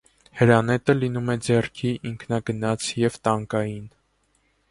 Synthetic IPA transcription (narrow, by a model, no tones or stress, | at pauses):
həɾɑnɛt̪əlinumɛd͡zɛrkʰiʔiŋkʰnɑɡənɑt͡sʰjɛvt̪ɑŋkɑjin